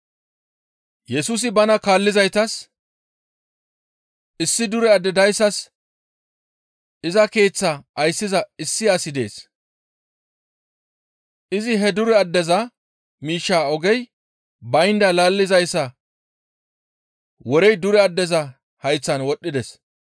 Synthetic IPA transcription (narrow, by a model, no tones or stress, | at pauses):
jɛsus̬ɪbɐnɐkaːlːɪzɐjt̪ɐs | ɪsːɪd̪ʊɾɛɐd̪ːɛd̪ɐjsːɐs | ɪzɐke̞ːt͡sːɐʔɐjsːɪzɐɪsːɪɐsɪd̪e̞̰ːs | ʔɪzɪɦɛd̪ʊɾɛɐd̪ːɛzɐ | miːʃːaːɔɡɛj | bɐjnd̪ɐlaːlːɪzɐjsːɐ | wɔɾɛjd̪ʊɾɛɐd̪ːɛzɐ | hɐjt͡sːɐnwɔɗːɪd̪ɛs